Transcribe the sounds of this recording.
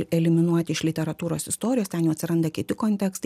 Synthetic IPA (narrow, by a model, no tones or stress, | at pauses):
ɛlʲɪmʲɪnuɔt̪ʲɪɪʃʲlʲɪt̪ʲɛɾɐt̪uːɾoːsɪst̪oːɾʲɪjoːstʲɛnjuːɐt̪ʲsʲɪɾɐnd̪ɐkʲɪt̪ʲɪkoːnʲt̪ʲɛkst̪